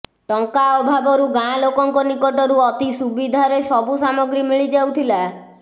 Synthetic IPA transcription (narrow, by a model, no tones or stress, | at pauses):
ʈɔŋkaɔbʱabɔɾuɡãlokɔŋkɔnikɔʈɔɾuɔt̪isubid̪ʱaɾesɔbusamɔɡɾimiɭid͡ʒawt̪ʰila